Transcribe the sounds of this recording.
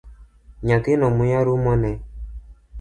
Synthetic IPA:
ɲakinɔmujaɾumɔnɛ

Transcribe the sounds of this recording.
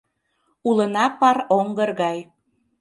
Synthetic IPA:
ulənɑpɑroŋɡərɣɑj

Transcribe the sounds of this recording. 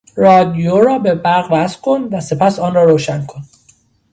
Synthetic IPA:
rɒːd̪ijoɾɒːbe̞bæɾɣvæsfkʰo̞nvæse̞pʰæsɒːnrɒːɾoːʃænkʰo̞n

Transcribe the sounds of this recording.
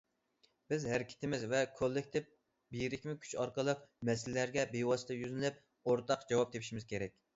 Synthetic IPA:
b̥ɪzhæɾɪkʲʰɪ̥t̪ɪmɪzvɛkʰolˠːɪk̚ʲt̪ʰɪp̚ | bijɾɪkʲmɪkʲʰy̥t͡ʃɑɾqəlˠəqmɛsɪllæɾɡʲɛbewɑsɨ̥t̪ʰɑjyzɪlɪp̚ | oɾt̪ʰɑqd͡ʒɑwɑp̚d̪ʰepʰʃimɪz̥kʲeɾɛk̚ʲ

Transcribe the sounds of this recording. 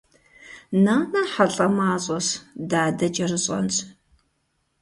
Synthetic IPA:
naːnɐħaɬʼɐmaːɕʼɔsdaːdɐt͡ʃʼɐrɨɕʼɐ̰nt͡sʼ

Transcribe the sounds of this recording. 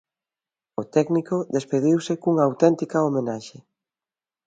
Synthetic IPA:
ʊt̪ɛknikoðespeðiwsekuŋaːwt̪ɛnt̪ikɐomenaʃe

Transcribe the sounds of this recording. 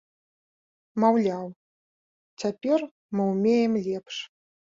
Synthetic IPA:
mawlʲaw | t͡sʲapʲɛr | mɨumʲejɛmlʲɛpʂ

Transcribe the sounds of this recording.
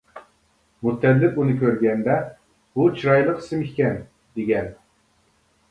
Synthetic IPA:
mut̪ʰːɛd̪lɪk̚unɨkʲøɾɡʲɛnd̪ɛ | but͡ʃʰiɾɑjlˠəqʰsɪmikʲkʲɛn | d̪̥eɡʲɛn

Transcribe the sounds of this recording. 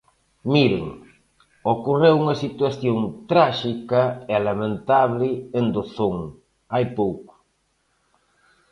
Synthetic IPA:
miɾɪ̰ŋ | okorewuŋɐsit̪waθjoŋt̪ɾaʃikɐɛlamẽnt̪aβlɪend̪oθoŋ | ajpowkʊ̥

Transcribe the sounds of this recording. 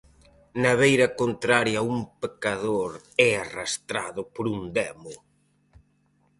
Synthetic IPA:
naβejɾɐkont̪ɾaɾjɐuŋpekaðoɾ | ɛarast̪ɾa̰ðʊpoɾund̪ɛmʊ

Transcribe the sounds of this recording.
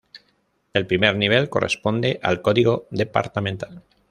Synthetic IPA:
e̞lpɾime̞ɾniβ̞e̞lko̞̰respo̞nd̪e̞ʔa̰lko̞ðiɣ̞o̞ðe̞pa̰ɾt̪amẽnt̪al

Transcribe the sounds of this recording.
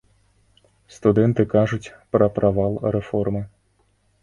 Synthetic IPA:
st̪ud̪ɛnt̪ɨkaʐut͡sʲpɾɐpɾʔavalˠrɛfɔrmɨ

